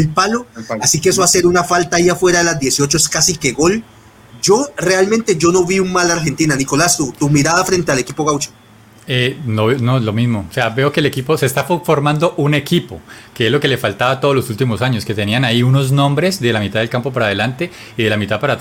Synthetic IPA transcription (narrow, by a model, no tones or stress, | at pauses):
elpaloasikees̬oaseɾunafalt̪aːiafwe̞ɾaðelazd̪je̞sio̞t͡ʃoeskasikeɣo̞l | d͡ʒo̞re̞almẽnt̪e̞d͡ʒo̞no̞βiuŋmalaɾxe̞nt̪inaniko̞last̪ut̪umiɾaðafɾe̞nt̪e̞ale̞kipo̞ɣawt͡ʃo̥ | enoβnolo̞mizmoseabe̞o̞keːlekipo̞se̞ːst̪affo̞ɾmãnd̪o̞ʔune̞kipokeezlo̞ke̞lefalt̪aβat̪oðlosult̪imo̞saɲo̞ske̞t̪e̞nianaiuno̞znõ̞mbɾe̞zd̪e̞lamit̪aðelkampo̞paɾaðe̞lant̪e̞ | iðe̞lamit̪aðpaɾat̪